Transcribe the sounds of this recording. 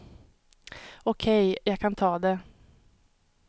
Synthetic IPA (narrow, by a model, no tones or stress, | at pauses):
ɔkʰɛjjɑːɡkʰant̪ʰɑːd̪ɛ